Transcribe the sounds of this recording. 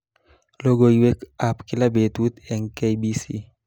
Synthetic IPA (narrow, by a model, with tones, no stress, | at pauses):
lo˦ɡo˨jiwe˦ka˨pkɪ˦labe˨t̪u˦t̪ɛ˨ŋke˦jbisḭ